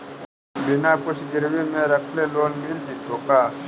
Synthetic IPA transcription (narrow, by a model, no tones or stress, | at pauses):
binãːpʊɕɡɪɾwimẽːɾɐkʰleloːnmild̪it̪oːkaː